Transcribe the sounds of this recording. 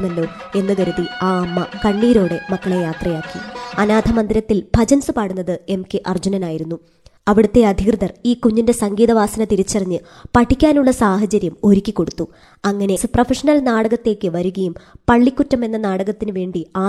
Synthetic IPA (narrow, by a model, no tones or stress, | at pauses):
nɐlːo̞ː | e̞nːɨkɐɾuðiaːɐmːɐkɐɳːiːɾo̞ːɽemɐkːɐɭejaːt̪rɐjaːkːiɐnaːd̪ʱɐmɐnd̪iɾɐt̪ːilb̥ʱɐd͡ʑɐnsɨpaːɽunːɐðɨe̞mkeʔɐrd͡ʑunɐnaːjiɾunːu | ɐʋiɽut̪ːe̞ɐd̪ʱikrɨðɐriːkuɲːinde̞sɐŋɡiːðɐʋaːsɐnɐt̪iɾit͡ɕːɐrɐɲːɨpɐʈʰːikʲːaːnuɭːɐsaːhɐt͡ɕɐɾjɐmo̞ɾukʲːikːo̞ɽut̪ːu | ɐŋːɐne̞sɨprofʰɐʂɐnɐlnaːɽɐɣɐt̪ːe̞ːkʲːɨʋɐɾuɣɐjumpɐɭːikʲːutːɐme̞nːɐnaːɽɐɣɐt̪ːinɨʋe̞ːɳɖiaː